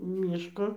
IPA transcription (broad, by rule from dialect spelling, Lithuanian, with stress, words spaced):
ˈmʲiːʃkoː